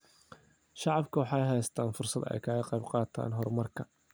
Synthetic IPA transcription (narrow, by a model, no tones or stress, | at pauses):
ʃɑʕɑbkʰʊwɑħɑːjɦɛjst̪ʰaːnfʊrsɐd̪ɛ̰jkʰɐːɣɐqɑjbqɑːt̪ʰa̰ːnɦɔrmɐrkʰɐ